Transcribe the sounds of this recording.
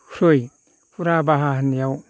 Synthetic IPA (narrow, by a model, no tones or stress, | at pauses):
huɾoj | pʰuɾabaɦahnijaw